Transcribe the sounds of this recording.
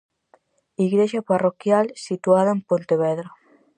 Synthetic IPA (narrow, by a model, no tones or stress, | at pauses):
iɣɾeʃaparokjalsit̪uaðaempont̪eβɛðɾa